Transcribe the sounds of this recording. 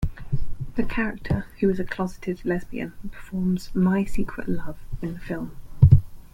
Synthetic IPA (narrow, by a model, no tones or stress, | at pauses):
ðəkʰaɹɪk̚tʰəhʉɪzəkʰl̥ɒzɪtʰɪdlɛzbḭə̰̃npʰə̥fɔːmz̥maɪsiˑkʰɹə̰ʔlʌv̥ɪ̃nðəfɪlˠm